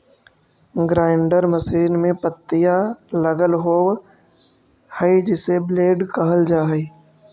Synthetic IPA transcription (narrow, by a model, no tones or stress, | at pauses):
ɡɾaːɪɳɖəɾməsiːnmẽpət̪ːɪjaləɡəlɦoː | həid͡ʒɪsebleːɖkəɦəld͡ʒaːɦi